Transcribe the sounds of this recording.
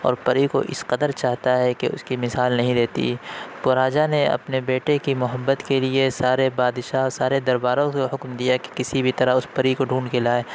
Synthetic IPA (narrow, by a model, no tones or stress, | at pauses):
ɔ̰ːɾpɐɾiko̰ʔɪsqɐd̪əɾt͡ʃaːɦt̪aɦɛkeʊ̰skimɪsaːlnɐɦĩd̪eːt̪ḭpʊɾaːd͡ʒaneɐ̰pnebeːʈekimʊɦəbːət̪keliesaːɾebaːd̪ʃaɔːɾsaːɾed̪ɐɾbaːɾõkohʊkmd̪ijake̥kɪsibʱit̪ɐɾaʊspɐɾikoɖʱuːɳkelaːe